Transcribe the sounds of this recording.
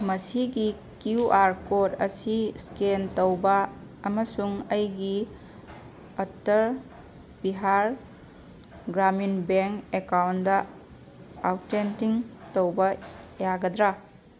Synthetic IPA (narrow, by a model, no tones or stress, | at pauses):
mɐsiɡi | kiuʔaɾkoɾɐ̰siskentowbɐːmɐsuŋɐjɡi | ɐtɐɾ | biɦaɾ | ɡɾaminbeŋkekawndɐ | awtːentiŋtowbɐjaɡɐdɾa